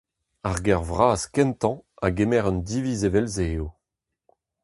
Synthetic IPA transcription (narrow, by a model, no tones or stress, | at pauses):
aʁɡɛʁvʁaːskɛ̃nt̪ɑ̃aɡemɛʁœnd̪ivizevɛlzeo